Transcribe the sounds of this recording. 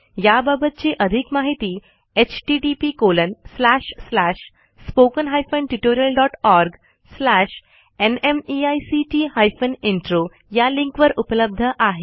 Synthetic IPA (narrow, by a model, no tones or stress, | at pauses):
jababət̪̚t͡ɕeʔəd̪ʱikmaɦit̪iː | et͡ɕʈiʈipiːkolənslæʂslaʂ | spokənɦajfəɳʈiʈoɾijəlɖɔʈɔɾɡ | slaɕ | enemiajsit͡ɕiːhajfəniɳʈɾo | jaliŋkʋəɾupələb̚d̪ʱəʔaɦe